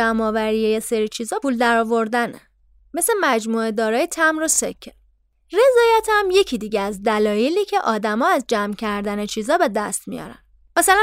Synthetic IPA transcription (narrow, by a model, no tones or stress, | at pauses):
æmɒːvæɾijeje̞seɾiːt͡ʃʰiːzɒːuːld̪æɾɒːvo̞ɾd̪æne | me̞se̞mæd͡ʒmuːe̞d̪ɒːɾɒːjet̪ʰæmɾo̞sḛcʰːe | re̞zɒːjæt̪hæmje̞cʰid̪iːɟeæzd̪ælɒːjeliːcʰe̞ʔɒːd̪æmɒːæzd͡ʒæmcʰæɾd̪ænet͡ʃʰiːzɒːbe̞d̪æst̪mḭjɒ̰ɾæ̰n | mæsælæ